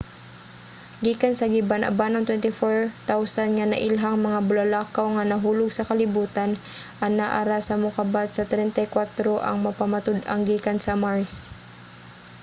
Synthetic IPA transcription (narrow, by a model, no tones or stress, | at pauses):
ɡiːkansɐɡibanʔɐ̰banɐŋt̪wɛnt̪ɪfoɹt̪awsanŋanɐ̰ʔɪlɦaŋmɐŋabʊlɐlaːkawŋanɐɦuːlʊɡ̚sɐkɐlɪbuːt̪an | ʔɐnaʔaɾasɐmʊkabat̪̚sɐt̪ɾɛnt̪ɐjkwat̪ɾoʔɐ̰ŋmɐpamat̪ʊd̪ɐŋɡiːkansɐmaɹs